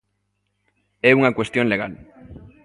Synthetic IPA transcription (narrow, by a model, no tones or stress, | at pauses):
ɛuŋakwest̪jonleɣal